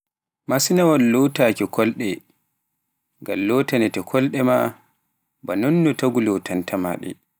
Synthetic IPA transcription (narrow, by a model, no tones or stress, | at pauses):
masinawalːɔtaːkɛkʰɔlɗɛ | ŋɡamlɔːtanɛtɛkʰɔlɗɛma | banɔnːɔtaɡulɔwtʰantʰama̰ɗɛ̰